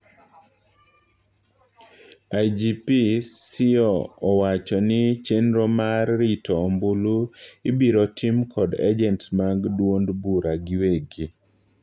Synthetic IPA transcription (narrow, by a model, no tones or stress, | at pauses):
ad͡ʒipisɪɔːwat͡ʃɔnɪt͡ʃenɾomarːitʰɔːmbuluibiɾɔtʰimkʰɔda̰d͡ʒɛntsmaɡdwondbuɾaɡɪweɡi